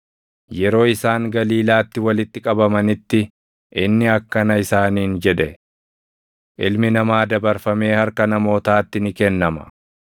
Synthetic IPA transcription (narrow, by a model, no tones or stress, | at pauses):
jɛɾo̞ːɪsaːŋɡɐliːlaːt̪ːɪwɐlɪt̪ːɪkʼɐbɐmɐnɪt̪ːɪ | ʔɪnːɪɐkːɐnɐɪsaːniːnd͡ʒɛᶑ̪ɛ | ʔɪlmɪnɐmaːd̪ɐbɐɾfɐme̞ːhɐɾkɐnɐmo̞ːt̪aːt̪ːɪnɪkɛnːɐmɐ̥̰